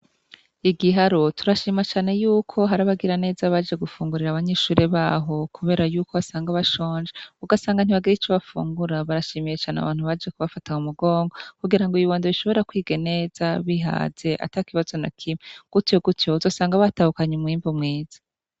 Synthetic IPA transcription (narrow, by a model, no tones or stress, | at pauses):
iɡiɦaɾotuɾaʃiːmat͡ʃaːne̞juːkʰo̞ɦaɾaβaɡiɾane̞ːzaβad͡ʒe̞ɡufuːŋɡuɾiɾaβaɲe̞ːʃuːɾeβaːɦo̞kʰuβe̞ːɾajuːkoβasaːŋɡaβaʃo̞ːɲd͡ʒeuɡasaːŋɡan̥iβaɡiɾit͡ʃoβafṵːŋɡuɾaβaɾaʃiːmije̞t͡ʃaːnea̰βaːnhuβad͡ʒekuβafataumuɡo̞ːŋɡo̞kuɡiɾaŋɡoiβiβoːndeβiʃo̞βo̞ɾakwiːɡe̞ne̞ːz̥aβiɦa̰ːze̞ʔa̰takiβazo̞nakʰimeɡ̥utjoɡutjouzo̞ːsaːŋɡaβatahukaɲemŋiːmbomŋeːz̥ḁ